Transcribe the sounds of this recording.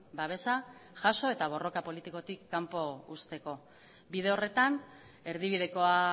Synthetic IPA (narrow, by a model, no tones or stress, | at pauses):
baβe̞saʝaso̞e̞t̪aβ̞o̞ro̞kapo̞lit̪iko̞t̪ikːampo̞ust̪e̞ko̞ | biðe̞o̞re̞t̪an | e̞ɾðiβið̞e̞ko̞a